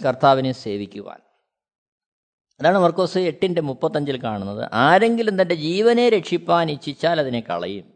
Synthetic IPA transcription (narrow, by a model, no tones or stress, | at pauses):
kɐrt̪ʰaːʋinese̞ːʋikʲːuʋa̰ːn | ɐðaːɳɨmɐrko̞ːsɨe̞ʈːindemupːɐt̪ːɐɲd͡ʑilkaːɳunːɐðɨ̰ʔaːɾe̞ŋɡilend̪ɐnde̞d͡ʑiːʋɐne̞ɾe̞kʂipːaːnit͡ɕːit͡ɕːaːlɐðinekɐ̰ɭɐ̰jum